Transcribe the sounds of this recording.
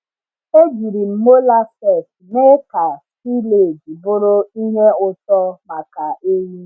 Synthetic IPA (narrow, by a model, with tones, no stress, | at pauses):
e˦ɡi˨ɾi˨m̩˦mo˦la˦sɛ˦˨tne˦ka˨ | si˦le˦˨di˨bʊ˦ɾʊ˦i˦ɦe˦ʊ˨tɔ˦ma˨ka˨e˦ji˦